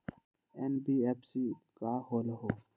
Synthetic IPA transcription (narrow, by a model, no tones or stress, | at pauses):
enbiːepsiːkaːhoːlɦoː